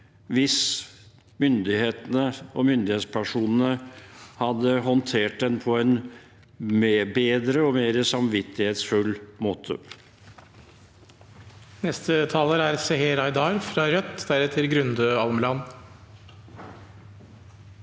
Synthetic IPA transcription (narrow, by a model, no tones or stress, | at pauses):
ʋɪs | mʏnd̪ɪheːt̪ənəɔmʏnd̪ɪheːt̪spʰæʂuːnən̩əhɑd̪ːəɦɔnt̪ʰeːʈ̚d̪ɛnpʰɔɛn | mebeːd̪ɾəɔmeːɾəsɑmʋɪt̪ːɪheːt̪sfʉlːmoːt̪ʰə̰ | nɛst̪ət̪ʰɑːləɾæɾsɛheɾɑɪd̪ɑːɾfɾɑɾœt̪ːd̪æɾɛt̪ʰɪlɡɾʉnd̪øɑlmlɑn